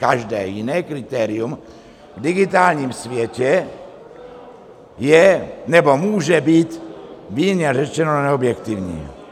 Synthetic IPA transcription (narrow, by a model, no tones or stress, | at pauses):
kaʒdɛ̰ːjɪnɛːkɾɪt̪ɛːɾɪjum | vdɪɡɪt̪aːlɲiːmsvjɛcɛ | jɛnɛbo̞muːʒɛbiːt̪viːɲɛrɛt͡ʃɛnonɛobjɛkt̪ɪvɲḭː